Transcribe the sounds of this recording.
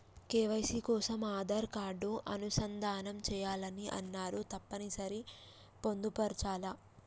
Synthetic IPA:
kɛːʋɐjsikɔːsɐmaːd̪ɐɾkaːɾɖuʔɐnusɐnd̪ʱaːnɐmt͡ʃɛːjaːlɐniʔɐ̰nːaːɾut̪ɐpːɐnisɐɾi | po̞nd̪upɐɾt͡ʃaːlɐ

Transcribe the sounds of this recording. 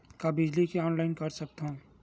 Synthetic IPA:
kabɪd͡ʒlikeɔːnlaːɪnkɐɾsɐk̚t̪ɦõ

